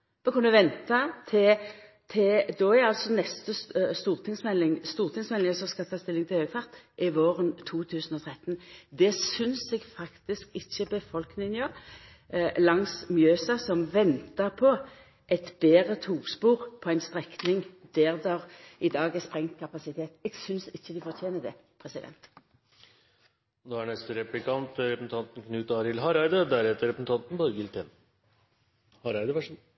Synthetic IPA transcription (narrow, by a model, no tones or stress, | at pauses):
mɔkʰɑnd̪ʉʋɛnt̪ɑt̪ʰɪ | t̪ʰɪd̪ɔæɑlsɔnɛst̪əst̪uːʁt̪ʰɪŋsmɛlːɪŋst̪uːʁt̪ʰɪŋsmɛlːɪŋəsɔskɑlt̪ʰɑːst̪ɪlːɪŋt̪ɪhøːɡfɑʁt̪ʔɪʋoːʁənt̪ʰuːt̪ʰʉːsn̩ɔt̪ʰʁɛt̪ːnd̪ɛsʏnsɛɡfɑkt̪ɪskɪçːəbəfɔlknɪənjəʁ | lɑŋsmjøːsɑsɔmʋɛnt̪əʁpʰɔ | ʔɛt̪b̥eːʁət̪ʰuːpspuːʁpʰɔæɪnst̪ʁɛknɪŋd̪æːʁd̪ɑʁɪd̪ɑːɡɛspʁɛŋt̪kʰɑpɑsɪt̪ʰeːt̪ɛːɡsʏnsɪçːəd̪ɪfɔʁt̪ʰeːnəd̪ɛ̰ | pʰʁɛsɪd̪ɛ̰nt̪ | ɔd̪oæɳɛst̪əɾɛplɪkɑnt̪ɾɛpɾəsn̩t̪ʰɑnt̪n̩kʰnʉːt̪ɑːɾɪlɦɑɾɑɪd̪əd̪æɾhɛt̪əɾɛpɾəsn̩t̪ʰɑnt̪n̩bɑːɾəɡɪlt̪ʰɛn | hɑɾæɪd̪əʋæ